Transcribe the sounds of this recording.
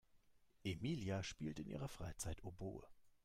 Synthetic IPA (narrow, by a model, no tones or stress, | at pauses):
ʔemiːljaʃpiːltɪnʔḭːʁɐfʁ̥aɪt͡saɪtobo̰ːə̰